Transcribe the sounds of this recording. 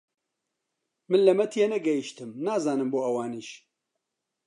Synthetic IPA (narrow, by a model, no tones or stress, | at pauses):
mɨnlɐmɛt̪ʰijenɛɡɛjiʃt̪ɨmnaːzaːnɨmboːɐwaːniːʃ